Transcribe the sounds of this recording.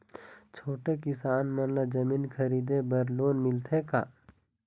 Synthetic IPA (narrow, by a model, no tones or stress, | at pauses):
t͡ʃʰoːʈekɪsaːnmɐnlad͡ʒɐmiːnkʰɐɾiːd̪ebɐɾloːnmɪlt̪ʰeka̰ː